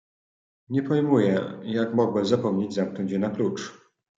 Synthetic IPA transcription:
ɲɛpɔjmujɛjakmɔɡwɛzapɔmɲed͡ʑzamknɔɲt͡ɕjɛnaklut͡ʂ

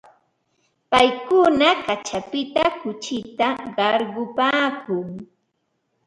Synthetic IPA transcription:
pajkʊnakat͡ʃapɪt̪akʊt͡ʃɪt̪aɢɑɾɢʊpaːkʊŋ

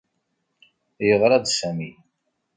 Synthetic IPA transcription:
jəʁɾˤɑd̪sæmi

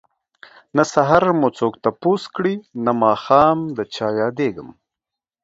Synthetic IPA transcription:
nasaɦaɾmut͡soːkt̪aposkɽinamɑːxɑːmd̪ət͡ʃɑːjɑːd̪eɡəm

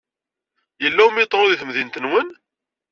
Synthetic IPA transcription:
jəlːæwəmjt̪ˤːɾoðiθmðint̪ənwən

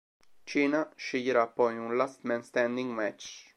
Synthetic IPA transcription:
t͡ʃiːnaʃejɛɾapːɔjunlast̪mɛnst̪ɛ̃nd̪iŋɡmɛt͡ʃ

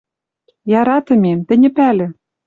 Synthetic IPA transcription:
jɑɾɑt̪ɤ̆mʲemt̪ɘ̆nʲɘ̆pælʲɘ̆

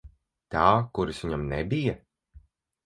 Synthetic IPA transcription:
t̪aːkuɾisvʲiɲamnɛ̰bija

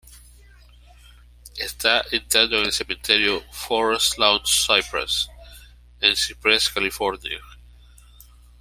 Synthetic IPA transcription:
est̪aʔint̪ad̪oŋelsemẽnt̪eɾjofoɾest̪lawnsajpɾa̰s | ẽnsipɾeskalifoɾnia

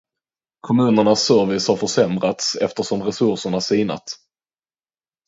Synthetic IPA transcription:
kʰɔmʉ̟ːnəɳasːœɾvɪshaɾfœʂɛmɾat̪sɛ̰ft̪əʂɔmɾɛsɵʂəɳasiːna̰t̪

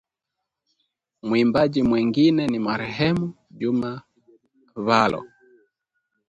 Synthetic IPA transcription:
mwimbaʄimwɛŋɡinɛnimaɾɛɦɛmu | ʄuma | βalʔɔ̰

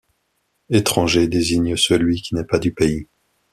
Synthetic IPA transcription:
et̪χɑ̃ʒed̪eziɲəsəlɥikʲinɛpad̪ypei

